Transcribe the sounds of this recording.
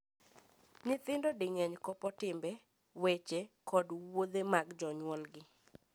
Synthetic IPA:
nɪt̪ɪndɔdɪŋɛɲkɔpɔtɪmbɛ | wet͡ʃekɔdwod̪emaɡd͡ʒɔɲwɔlɡɪ

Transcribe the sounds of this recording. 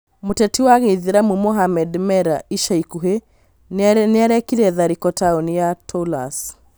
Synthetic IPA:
mutɛtiwaɣeðiɾamumɔɦamɛdmɛɾaiʃaikuɦe | nɛɾɛkiɾɛðaɾikɔtʰaɔnijatʰɔla̰s

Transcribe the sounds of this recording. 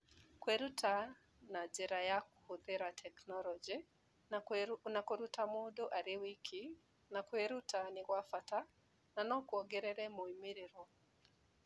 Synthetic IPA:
kweɾutʰa | nad͡ʒɛɾajakohoðeɾatʰɛknɔlɔd͡ʒi | nakoɾutamodoʔaɾewikʰi | nakweɾutanɪɣwafata | nanɔkwɔɡɛɾɛɾɛmoimiɾeɾwɔ

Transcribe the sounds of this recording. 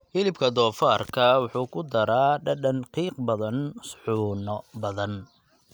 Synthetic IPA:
hɪlɪbkʰɐd̪ɔːfaːrkʰɐwʊħuːkʰʊd̪ɐɾaːɖɐɖɐnqiːqbɐðɐnsħuːnɔbɐðɐn

